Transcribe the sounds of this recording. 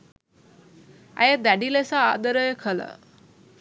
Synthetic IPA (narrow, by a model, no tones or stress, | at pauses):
a̰jed̪aɖilesa̰ːd̪əɾəjkʰəla̰